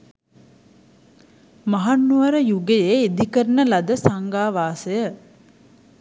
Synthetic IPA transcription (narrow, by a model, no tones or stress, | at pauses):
maɦanːuʋɐɾəjuɡejeːed̪ikəɾnəlɐd̪əsaŋɡaːʋaːsejə